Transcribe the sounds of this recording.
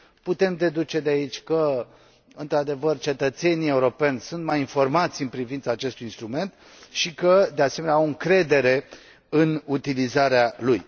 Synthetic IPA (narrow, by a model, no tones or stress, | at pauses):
put̪e̞md̪e̞d̪ut͡ʃe̞d̪eait͡ʃʲkə | ɨnt̪ɾad̪e̞vərt͡ʃe̞t̪ət̪se̞nie̞uɾo̞pe̞nʲsunt̪majinfo̞rmat̪sʲɨnpɾivint̪saːt͡ʃe̞st̪ujinst̪ɾume̞nt̪ | ʃikəd̪ease̞me̞neawɨŋkɾe̞d̪e̞ɾe̞ | ɨnut̪ilizaɾealuj